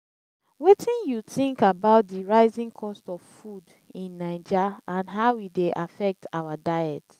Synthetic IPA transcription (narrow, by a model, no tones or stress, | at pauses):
wetʰĩnjuθĩŋkabaʊt̚diɹaɪzĩŋkʰɔstɔv̥fud | ĩnːaɪd͡ʒaãnɦaʊwideʔafɛk̚tʰawadaɪɛt